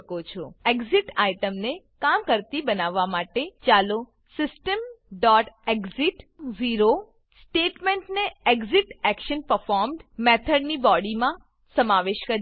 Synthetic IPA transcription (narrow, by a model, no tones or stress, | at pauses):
kot͡ʃʰɔeɡziʈajʈəmne | kamkəɾt̪ibənaʋːamaʈet͡ʃalo | sɪsʈəmɖɔʈeɡziʈziɾo | sʈeʈmeɳʈneeɡziʈɛkʃənpəɾfɔɾmɖmɛt̪ʰəɖnibɔɽimã | səmaʋeʃkəɾ